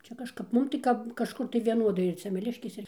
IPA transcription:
ˈt͡ʃʲɛ kɐʃˈkɐp ˈmʊm tɐɪ ˈkɐp kɐʃˈkʊr tɐɪ ʋʲiɛˈnoːdɐɪ ɪr sʲɛmʲɛˈlʲɪʃʲkʲeːs ˈɪr

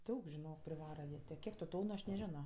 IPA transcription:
ˈdɐʊk ʒʲɪˈnoːk pʲrʲɪˈʋɑːrɐ jiɛ ˈtʲeː ˈkʲiɛk tʊ ˈtoːnʊ ˈɐʃ nʲɛˈʒʲæːnoː

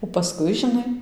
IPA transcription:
oː pɐˈskʊɪ ʒʲɪˈnɐɪ

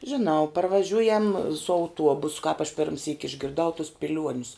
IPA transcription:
ʒʲɪˈnɐʊ pɐrʋɐˈʒʲʊjɛm sʊ ɐʊˈtuɔbʊs kɑːp ɐʃ ˈpʲɪrʲmʲsʲiːk ɪʒʲɡʲɪrˈdɐʊ tʊs pʲɪˈlʲuɔnʲʊs

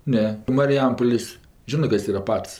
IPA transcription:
ˈnʲɛ mɐrʲɪˈjɛmpoːlʲeːsʲ ˈʒʲɪnɜ ˈkɐs ˈiːrɐ ˈpɐts

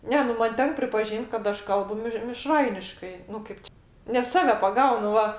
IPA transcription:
ˈnʲɛ nʊ ˈmɐn ˈtʲɛŋk pʲrʲɪpɐˈʒʲiːnʲtʲ kɐt ˈɐʃ ˈkɐlˠbʊ mʲɪʃ mʲɪˈʃrɐɪnʲɪʃkɐɪ nʊ ˈkɐɪp t͡ʃʲɪ nʲɛs ˈsɑːʋʲɛ pɐˈɡɐʊnʊ ˈʋɐ

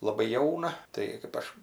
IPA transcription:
lˠɐˈbɐɪ ˈjɛʊnɐ ˈtɐɪ kɜp ˈɐʃ

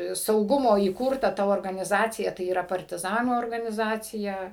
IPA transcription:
sɐʊˈɡʊmoː iːˈkʊrtɐ tɐ oːrɡɐnʲɪˈzɑːt͡sʲɪjɛ tɐɪ iːˈrɐ pɐrʲtʲɪˈzɑːnuː oːrɡɐnʲɪˈzɑːt͡sʲɪjɛ

